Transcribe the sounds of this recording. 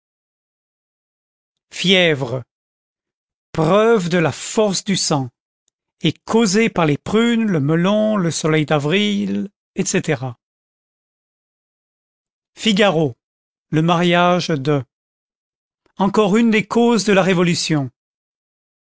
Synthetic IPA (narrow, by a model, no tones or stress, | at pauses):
fjɛvʁə | pχœvd̪əlafɔʁsd̪ysɑ̃ | ɛkʰozepaʁlepχynləməlɔ̃ləsɔlɛjd̪avʁil | ɛt̪set̪eʁa | fiɡaʁo | ləmaʁjaʒd̪ə | ɑ̃kɔʁynd̪ekʰozd̪əlaʁevɔlysjɔ̃